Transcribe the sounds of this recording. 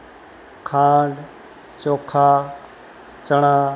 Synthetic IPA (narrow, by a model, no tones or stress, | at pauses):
kʰãːɳɖ | t͡ʃoːkʰaː | t͡ʃəɽ̃aː